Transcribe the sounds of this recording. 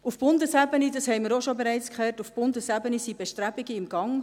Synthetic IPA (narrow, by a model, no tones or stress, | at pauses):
ufb̥ʊndəsæbənidɑshɛɪmɪɾoʃobɛɾɛɪt͡skʰχɛtufb̥ʊndəsæbənisibɛʃtɾæbiɡəɪmɡ̥ɑŋ